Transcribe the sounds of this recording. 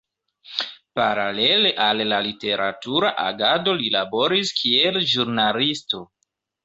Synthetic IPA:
paɾale̞leʔalːalite̞ɾa̰tuɾaʔa̰ɡado̞lilabo̞ɾiskʰielʒuɾnalisto̞

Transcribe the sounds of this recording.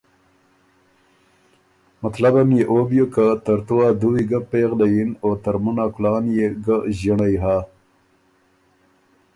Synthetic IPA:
mat̪labamjeʔobjokat̪ɐɾt̪uwad̪uwiɡapeːɣlajinot̪aɾmunaklɑːnjeɡəʑəɳajɦa

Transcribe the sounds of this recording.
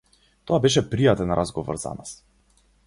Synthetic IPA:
t̪ɔabɛʃ̬ɛpɾijat̪ɛnɾʔazɡɔvɔ̰ɾza̰nas

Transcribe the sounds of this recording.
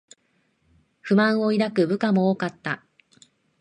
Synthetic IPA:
ɸɯ̟mãɰ̃o̞iɾakɯ̟bɯ̟kamo̞oːkat̪ːa

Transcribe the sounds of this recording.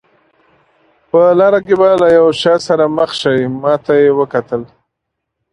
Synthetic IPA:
pəlɑɾakebalajawʃɑsaɾaməxʃawimɑt̪ajewəkat̪əl

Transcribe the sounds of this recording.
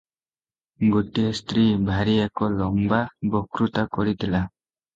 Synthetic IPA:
ɡɔtist̪ɾibʱaɾiakɔlɔŋbabɔkɾut̪akɔɾit̪ila

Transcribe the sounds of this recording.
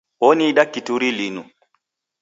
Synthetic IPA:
woniːɗakːituɾilinu

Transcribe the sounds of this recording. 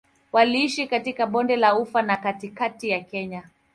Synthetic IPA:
waliiʃikatikaɓɔndɛlaufanakatikatijakɛɲa

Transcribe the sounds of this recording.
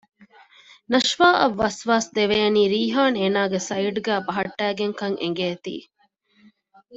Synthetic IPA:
nɐʃʋaːʔɐʋːɐsʋaːsd̪eʋeɐniːɾiːɦaːneːnaːɡesɐiʈɡæːbɐɦɐʈːæːɡeŋkɐŋḛŋ̆ɡeːt̪ḭː

